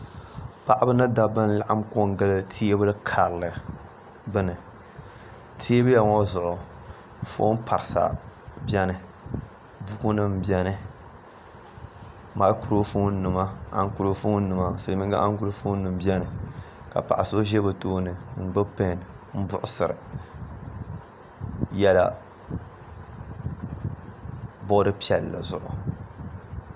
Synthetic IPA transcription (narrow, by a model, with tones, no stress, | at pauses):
pa˨ʔa˦bɨ˦nɨ˦da˦bɨ˦n˦la˦ʔa˦mko˦ŋ˦ɡɨ˦lɨ˦tʰi˦e˦bɨ˦lɨ˦kʰaː˨ɾlɨ˨ | bɨ˦nɨ˨ | tʰi˦e˦bɨ˦ja˨ŋɔ˦zʊ˨ʔʊ˨ | fo̰ː˦n˦pʰa˨ɾɨ˨sa̰˨bjɛ˦nɨ˨ | bu˦ku˦nɨ˦m̩˨bɛ˦nɨ˦ | ma˨˦ku˨ɾo˦fu˦n˦nɨ˨ma˦a̰˦ŋ˦ku˦o˦fu˦n̩˦nɨ˨ma˨sɨ˨˦mɨ˦ɡa̰˦ʔa˦ŋ˦ɡu˦o˦fu˦nɨ˨m˦bi˦ɛ˦nɨ˨ | ka̰˨pa̰˨ʔa˨so˦ʒe˦bɨ˨toː˦nɨ˨n̩˦bɨ˦pe˦˨nɨ˨ | m̩˦bʊ˦ʔʊ˦sɨ˨ɾɨ̰˨ | jɛ˦la̰˦ | bɔ˦dɨ˦pi˦ɛ˨lːa̰˨zʊ̰˨ʔʊ̰˨